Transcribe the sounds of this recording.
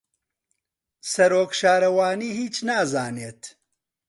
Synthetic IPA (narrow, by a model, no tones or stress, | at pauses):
sɐɾoːkʃaːɾɐwaːniːhiːt͡ʃnaːzaːneːt̪